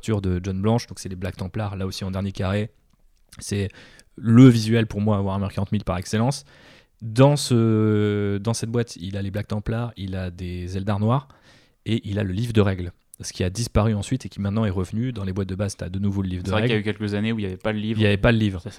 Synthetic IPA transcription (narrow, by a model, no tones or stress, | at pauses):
t̪yʁd̪əʒɔnblɑ̃ʃd̪ɔ̃ksɛleblak̚t̪ɑ̃plaʁlaosiɑ̃d̪ɛʁnjekaʁe | sɛ | ləvizɥɛlpuʁmwaːvwaʁɛ̃mœʁkaʁɑ̃t̪milpaʁɛkselɑ̃s | d̪ɑ̃sə | d̪ɑ̃sɛt̪̚bwat̪ʰḭlaleblak̚t̪ɑ̃plaʁilad̪ezɛld̪aʁnwaʁ | eʔilaləlivʁd̪əʁɛɡl | sə̥kʲiad̪ispaʁyɑ̃sɥit̪ekʲimɛ̃t̪nɑ̃ɛʁəvnyd̪ɑ̃lebwat̪̚d̪əbazt̪ad̪ənuvoləlivʁd̪əɛvʁɛkɛjaykʲɛlkʲəzaneuiljavɛpaləlivijavɛpaləlivʁə